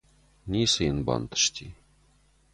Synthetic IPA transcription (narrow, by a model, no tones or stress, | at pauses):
nʲisəjənbɑ̰nt̪ə̥ʂt̪ʲi